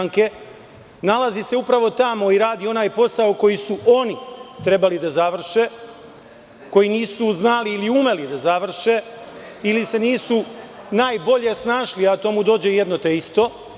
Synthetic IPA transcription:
ŋke̞ | nalazise̞upɾaʋo̞t̪amo̞iɾaːd̪io̞naːjpo̞sao̞ko̞jisuʔo̞nit̪ɾe̞balid̪azaʋr̩ʃe̞ | ko̞jiniːsuznaliːliume̞lid̪azaʋr̩ʃe | ilise̞niːsu | naːjbo̞ʎe̞snaːʃliat̪o̞mud̪o̞ːd͡ʑe̞je̞d̪not̪eist̪o̞

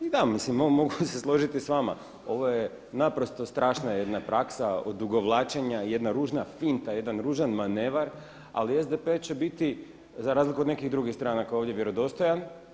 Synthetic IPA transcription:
id̪amislimomo̞ɡuseslˠo̞ʒit̪isʋama̰ | o̞ʋo̞je | napɾo̞st̪o̞st̪ɾaːʃnaje̞d̪napɾʔaksao̰d̪ːuɡo̞ʋlˠaːt͡ʃeɲaje̞d̪naɾuːʒnafint̪aje̞d̪anɾuːʒanmaneʋaɾ | a̰liezd̪epet͡ɕe̞bit̪i | zaɾaːzlikuod̪ne̞kiɣd̪ɾuɡist̪ɾaːnakaoʋd̪jeʋje̞ɾo̞d̪o̞st̪o̞jan

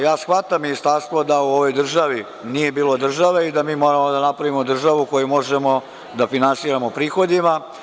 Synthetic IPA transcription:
jaːsxʋat̪amːinist̪aɾst̪ʋod̪auoʋo̞jd̪r̩ʒaʋi | nije̞biːlˠo̞d̪r̩ʒaʋeid̪amiːmo̞ːɾamod̪anapɾaʋimo̞d̪r̩ʒaʋuko̞jumo̞ʒe̞mo̞ | d̪afinansiːɾamo̞pɾiːxo̞d̪ima

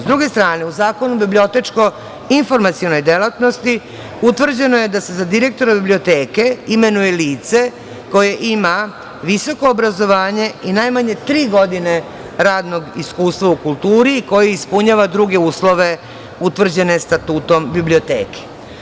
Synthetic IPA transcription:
zd̪ɾuɡe̞st̪ɾaːne̞uzaːko̞nubiblʲio̞t̪e̞t͡ʃko̞ | info̞ɾmat̪sijono̞jd̪e̞lat̪no̞st̪i | ut̪ʋr̩d͡ʑe̞no̞jed̪ase̞zad̪iɾe̞k̚t̪o̞ɾabiblio̞t̪eːke̞ime̞nuje̞liːt̪se̞ | ko̞je̞ʔima | ʋiso̞ko̞ːbɾazo̞ʋaːɲe̞inajmaɲe̞t̪ɾiːɡo̞d̪ine̞ | ɾaːd̪noɡiskuːst̪ʋaukulˠt̪uːɾiːko̞jeispuɲaʋad̪ɾuɡe̞uːslˠo̞ʋe̞ | ut̪ʋr̩d͡ʑe̞ne̞st̪at̪uːt̪o̞mbiblio̞t̪ḛːke̥

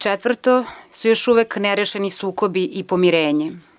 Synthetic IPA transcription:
t͡ʃet̪ʋr̩t̪osujo̞ʃuʋekneɾeʃenisuːkobiʔipomiɾeːɲe

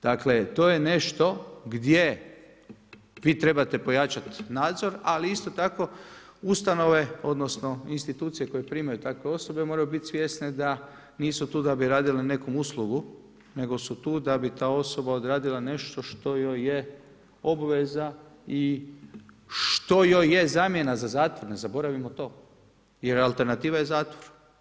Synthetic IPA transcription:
d̪̥akle̞t̪oje̞ne̞ʃt̪o̞ɡd̪je | ʋiːt̪ɾe̞bat̪e̞po̞jat͡ʃat̪naːd̪zo̞ɾaliist̪o̞t̪ako̞ust̪ano̞ʋe̞o̞d̪nosno̞inst̪it̪uːt̪sije̞ko̞jepɾiːmajut̪akʋe̞o̞so̞be̞mo̞ːɾajubit̪ʲsʋjesned̪a | niːsut̪uːd̪abiɾaːd̪ilene̞ko̞muslˠuɡu | ne̞ɡo̞sut̪uːd̪abit̪aːo̞so̞bao̞d̪ɾaːd̪ilane̞ʃt̪o̞ʃt̪o̞joje | o̞bʋe̞zai | ʃt̪o̞jojjezaːmje̞nazazaːt̪ʋo̞ɾnezabo̞ɾaʋimot̪o̞ː | jeɾalˠt̪e̞ɾnat̪iːʋajezaːt̪ʋoɾ

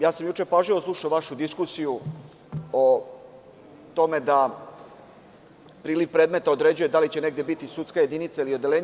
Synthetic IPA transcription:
jaːsamjuːt͡ʃe̞paʒiʋosluʃaʋaʃud̪iskusiju | o | t̪o̞me̞d̪a | pɾiːliʋpɾe̞ːd̪me̞t̪ao̞d̪ɾe̞d͡ʑujed̪alit͡ɕe̞ne̞ɡd̪je̞bit̪isut̪skaje̞d̪init̪sailio̞d̪e̞le̞ːɲ

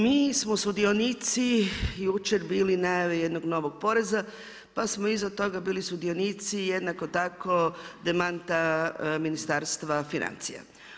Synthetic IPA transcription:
miːsmosud̪ionit̪sijuːt͡ʃeɾbiːlinajaʋejed̪noɡno̞ʋoɡ̚po̞ɾe̞za | pasmoizat̪o̞ɡabiːlisud̪io̞nit̪sijed̪nako̞t̪ako̞d̪e̞mant̪aminist̪aːɾst̪ʋafinʔa̰nt̪sḭja̰

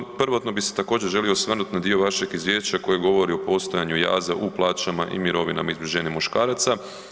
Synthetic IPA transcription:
pr̩ʋat̪no̞bise̥t̪akoːd͡ʑeɾʒe̞lio̞sʋr̩nut̪nad̪io̞ʋaʃeɡizʋjeːʃt͡ɕako̞jeɡo̞ʋo̞ɾiopo̞st̪o̞jaɲuja̰ːzaʔuplˠaːt͡ʃamaʔḭmiɾo̞ʋina̰maizbʲiʒeːɲemuʃkaːɾat̪sa

